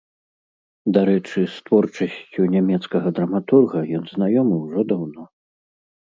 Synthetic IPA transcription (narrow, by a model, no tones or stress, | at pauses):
d̪aɾɛt͡ʂɨst̪vɔrt͡ʂɐsʲt͡sʲunʲɛmʲɛt̪skɐɣɐd̪ɾɐmat̪urɣɐjɔnznajɔmɨwʐɔd̪awnɔ